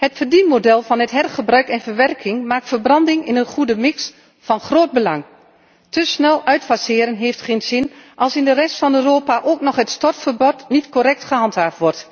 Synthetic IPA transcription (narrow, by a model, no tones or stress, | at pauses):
hətfərdimodɛlˠfɑnətɦɛrχəbrœɥkɛnfərʋɛrkʰɪŋmaːk̚tfərbrɑndɪŋɪnənχudəmɪks | fɑnχroːd̚bəlɑŋ | təsnɛlˠœɥtfasɪːɾənɦeːftχeːnzɪnʔɑlˠsɪndərɛstfɑnøːroːpaʔoːknɔχhətstɔrtfərbɔtnitkoɾɛk̚tχəɦɑnthaːftʋɔrt